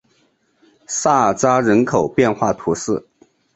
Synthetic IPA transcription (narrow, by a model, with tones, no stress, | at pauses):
sa˥˩t͡sa˥ɻə˧˥nkʰo˨˩ʊpjɛ˥˧nxwa˥˩t̪ʰu˧˥ʂɹ̩˥˩